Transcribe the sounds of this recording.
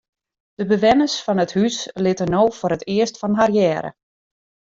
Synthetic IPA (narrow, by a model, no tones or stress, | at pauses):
d̥əbəʋɛnəsfɔnəthyslɪtənoːfʊɾətʰɪəstfɔnɦarjɛːɾə̰